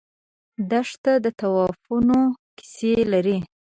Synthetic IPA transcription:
d̪aʂt̪ad̪ət̪awɑfunoki̥selaɾi

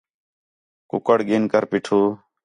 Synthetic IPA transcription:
kʊkəɽɠiːnkəɾpiːʈʰuː

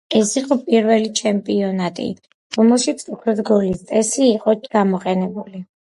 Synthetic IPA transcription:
ɛsiqʼɔpʼiɾvɛlit͡ʃʰɛmpʼiɔnat̪ʼḭ | ɾɔmɛlˠʃit̪sʰukʰɾɔd̪ɡɔlist̪sʼɛsiːqʼɔɡ̥amɔqʼɛnɛbuli

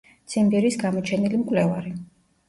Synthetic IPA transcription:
t̪sʰʼimbɛɾisɡamɔt͡ʃʰɛnilimkʼwlɛvaɾi

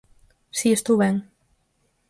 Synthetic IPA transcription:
siest̪uβɛŋ

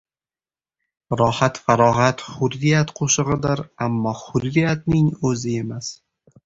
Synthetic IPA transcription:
ɾɒhat̪faɾɒɦat̪χʊɾːijat̪qʰoʃɨʁɪd̪ɪɾamːɒχʊdɾːijat̪̚nɪŋɵzɪe̞mas

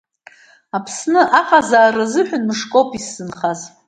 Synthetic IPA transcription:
apʰsnɨʔaqʼazaːrazɨħʷᶣʊnmɨʂkʼopʰisːɨnχaz

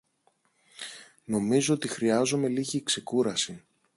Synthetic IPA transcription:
no̞mizo̞ot̪ixɾiɐzome̞liʝiːkse̞kuɾɐsi

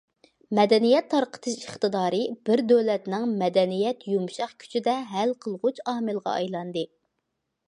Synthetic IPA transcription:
mɛd̪ɛnijɛt̪ʰːɑɾqʰə̥t̪ʰɨʃəχt̪ɨd̪ɑːɾɨbɪɾd̪øwlɛt̪nɪŋmɛd̪ɛnijɛt̪jumʃɑχkʲʰy̥t͡ʃʰid̪ɛɦælqʰəlˠʁut͡ʃɑhmɨlˠʁɑ̰ʔɑ̰jlˠɑnd̪ɨ

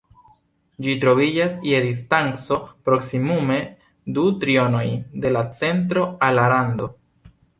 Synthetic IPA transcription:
d͡ʒitɾo̞vid͡ʒasje̞dis̬tant͡so̞pɾo̞ksimume̞ | dutɾio̞no̞jde̞lat͡se̞nt̬ɾo̞alaɾando̞

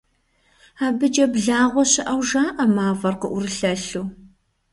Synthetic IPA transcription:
aːbɨd͡ʒɐbɮaːʁʷɔɕɪʔɐwʒaːʔɐmaːvɐrqəʔʷʊrɨɬɐɬuː

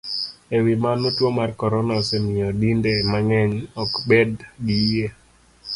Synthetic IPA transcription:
ewimanotwomarkɔɾɔnasemɪɔdindemaŋɛɲɔkbedɡie

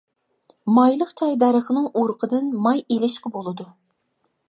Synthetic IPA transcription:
mɑjlˠəqt͡ʃʰɑjd̪æɾəχənɨŋʔoɾqʰəd̪ɨnmɑjelɪʃqʰəbolˠɨd̪u

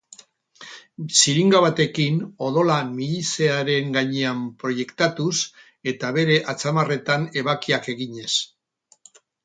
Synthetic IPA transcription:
siɾiŋɡaβat̪e̞kino̞ðo̞lamiʎise̞aɾe̞ŋɡaɲe̞ampɾo̞je̞kt̪at̪us | e̞t̪aβe̞ɾe̞ʔat͡samare̞t̪ane̞βakiake̞ɣiɲe̞s

